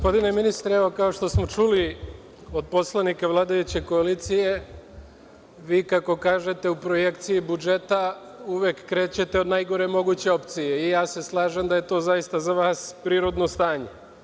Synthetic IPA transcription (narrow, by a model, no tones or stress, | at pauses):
ɡospo̞d̪ine̞minist̪ɾeeʋo̞kao̞ʃt̪o̞smo̞t͡ʃuli | o̞d̪̚po̞slˠanikaʋlˠaːd̪ajut͡ɕe̞ko̞aliːt̪sije̞ | ʋiːkako̞kaːʒe̞t̪e̞upɾo̞je̞kt̪sijibud͡ʒe̞t̪a | uʋjekːɾe̞ːt͡ɕe̞t̪e̞o̞d̪najɡo̞ɾe̞mo̞ɡut͡ɕe̞o̞pt̪sije̞ijaːse̞slˠaːʒemd̪aje̞t̪o̞ːzajist̪azaʋaːspɾiːɾo̞d̪no̞st̪aːɲe